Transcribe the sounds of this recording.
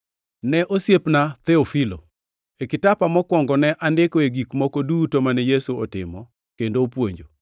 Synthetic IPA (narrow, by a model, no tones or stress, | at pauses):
nɛʔosjepnat̪ɛofilo̰ | ekɪtapamɔkwɔŋɡɔnɛʔandɪkɔeɡikmɔkodutomanɛjesuɔtɪ̰mɔ | kendopwoɲd͡ʒo